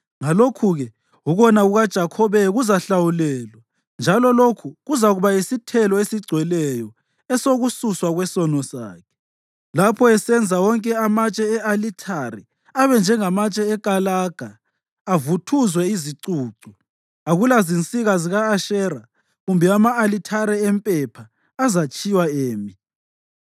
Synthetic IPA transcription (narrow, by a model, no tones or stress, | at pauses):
ŋalokʰuɣɛ | uɣɔnaɣuɣad̥ʒ̥ʱakʰɔβɛɣuzaɬawulɛːlwa | nd͡ʒʱalɔlokʰuɣuzaɣuβaisitʰɛlɔesiɡ͡ǀʱwɛlɛjɔ | ɛsoɣususwaɣwɛsɔnɔsa̰ːkʰɛ̥ | lapʰɔɛsɛnd͡zʱawɔŋkʼɛamat͡ʃʼɛɛʔalitʰaɾɛ | aβɛnd͡ʒʱɛŋamat͡ʃʼɛːkʼalaɡ̥ʱaː | vutʰuzwɛiziǀuːǀu | aɣulazint͡sʼiɣaziɣaːʃɛːra | ɣumbʱɛamaːlitʰaɾɛɛmpʼɛpʰa | azat͡ʃʼiwaeːmi